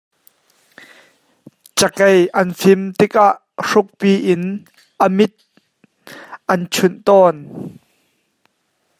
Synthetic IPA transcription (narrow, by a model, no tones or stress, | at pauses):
t͡ʃɐkejʔɐnfɪmt̪ɪk̚ʔaʔ | ʂʊk̚piːʔɪn | ʔɐmɪt̪̚ | ʔɐnt͡sʰʊnt̪ɔːn